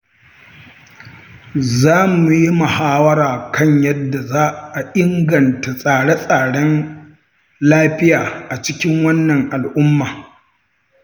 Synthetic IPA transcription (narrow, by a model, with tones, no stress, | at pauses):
zaː˦mu˨ji˦ma˨haː˦wɐ˦ɾaː˨kʰɐ˦ɲjɐ˦dːa˨zaː˦ʔa˨ʔɪ˦ŋɡɐ˨nta˨sʼaː˨ɽe˦sʼaː˨ɽɐ˦n | laː˦ɸɪ˦jaː˨ʔa˨t͡ʃɪ˦kʲɪ˦ŋwɐ˦nːɐ˨ŋʔa˨lʔʊ˦mːaː˨